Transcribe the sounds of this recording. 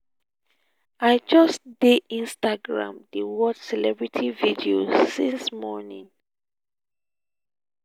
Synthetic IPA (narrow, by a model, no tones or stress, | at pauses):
ajd͡ʒɔstdedĩnstaɡɹã̰mdəwɔdsɛlɛbɹitʰividiosĩnsmɔnḭ̃ŋ